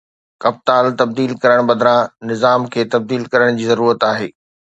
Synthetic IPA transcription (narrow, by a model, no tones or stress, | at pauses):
kɐp̚t̪aːlt̪ɐb̚d̪iːlkɐɾəɽ̃bɐd̪ɾãnɪzaːmkʰeːt̪ɐb̚d̪iːlkɐɾəɽ̃d͡ʑiːzɐɾuːɾət̪aːɦeː